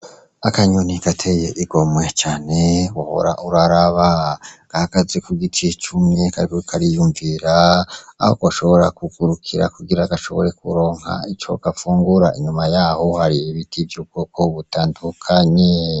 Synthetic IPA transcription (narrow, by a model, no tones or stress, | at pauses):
akaɲoniɡ̥atʰejeʔiɡo̞mwe̞t͡ʃaːne̞woho̰ɾa̰ʔuɾaɾaβaɡ̥ahaɡ̥aze̞kuɡit͡ʃit͡ʃumŋekaɾikoikʰaɾijuːɱviɾa̰ː | ho̰kwoʃo̞βo̞ɾa̰kuɡuɾukʰiɾa̰kuɡiɾaɡaʃo̞̰βo̞̰ɾe̞kṵɾo̞ːŋ̥ha̰it͡ʃo̞̰ɡ̥afuːŋɡuɾaʔiɲumajaːhohaɾiːβitivjuːb̚ɡoːko̞βutaːndukʰaɲe